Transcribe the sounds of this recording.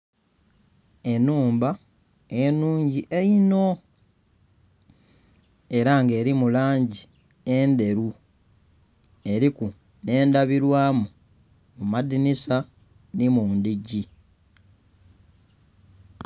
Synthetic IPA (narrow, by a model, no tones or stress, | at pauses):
e̞nuːmba | enuːɲɟiʔeino̞ | e̞ɾaŋɡe̞ːɾimulaːɲɟi | e̞nde̞ɾu | e̞ɾiku | ne̞ːndaβiɾwaːmu | mumadinisa | nimuːndiɟi